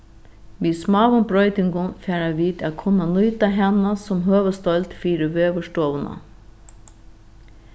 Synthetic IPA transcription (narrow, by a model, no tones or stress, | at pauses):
ʋiːsmɑːʋʊnbɾɔʏt̪ɪŋɡʊnfæːɾaʋiːt̪akʰʊnanʊʏt̪aɦɛnasʊmɦøːʋəst̪ɔlt̪fiːɾəʋøːʋəʂtoːʋəna̰